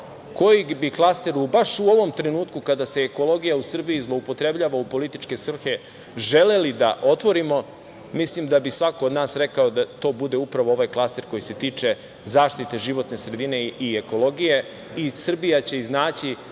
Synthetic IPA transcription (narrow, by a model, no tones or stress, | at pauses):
ko̞jiɡbiklˠast̪e̞ɾubaʃuo̞ʋo̞mt̪ɾe̞nuːt̪kukad̪aseːko̞lo̞ɡijausr̩bijizlˠoupo̞t̪ɾe̞bʎaːʋaupo̞lit̪it͡ʃke̞sr̩xe̞ | ʒe̞le̞lid̪a̰ʔo̞t̪ʋo̞ɾimo̞ | mislimd̪abisʋakood̪naːsɾe̞kaod̪at̪o̞ːbud̪e̞upɾaʋoo̞ʋajklˠast̪e̞ɾko̞jise̞t̪iːt͡ʂe̞ | zaːʃt̪it̪e̞ʒiʋo̞t̪ne̞sɾe̞d̪ine̞ieko̞lˠo̞ɡije̞ | isr̩bijat͡ɕe̞iznaːt͡ɕi